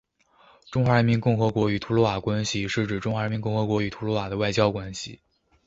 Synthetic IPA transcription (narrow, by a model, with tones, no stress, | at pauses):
ʈ͡ʂʊ˥ŋxwa˧˥ɻə˧˥nmi˧˥nkʊ˥˩ŋxɤ˧˥kwɔ˧˥y˨˩t̪ʰu˧˥lɔ˧˥wa˨˩kwa˥nɕi˨ʂɻ̩˥˩ʈ͡ʂɻ̩˨˩ʈ͡ʂʊ˥ŋxwa˧˥ɻnmi˧˥nkʊ˥˩ŋxɤ˧˥kwɔ˧˥y˨˩t̪ʰu˧˥lwɔ˧˥wa˨˩d̪ə˦wa˥˩ɪt͡ɕjɑ˥ʊkwa˥nɕḭ˨˩